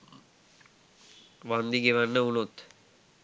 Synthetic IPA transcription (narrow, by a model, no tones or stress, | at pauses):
ʋand̪iɡeʋanːəunut̪